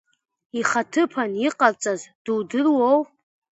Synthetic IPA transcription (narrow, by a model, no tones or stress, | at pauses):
iχatʰɨpʰaniqʼart͡sʼazd̥uwdɨrwow